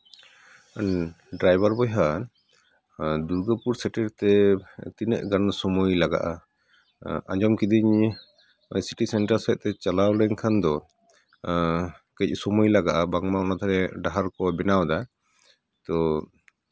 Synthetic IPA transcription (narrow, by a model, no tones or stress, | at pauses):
n | ɖɾajbaɾbɔjɦan | d̪uɾɡəpuɾsɛʈɛɾt̪ɛt̪inə̰ʔɡansɔmojlaɡa̰ʔa | a̰d͡ʒɔmkid̪iɲ | siʈisɛɳʈaɾsɛc̪̚ˀt̪ɛt͡ʃalawɽɛŋkʰand̪ɔ | kəc̚sɔmujlaɡaʔabaŋmanat̪ʰaɾɛɖaɦaɾkɔbɛnawd̪a | t̪ɔ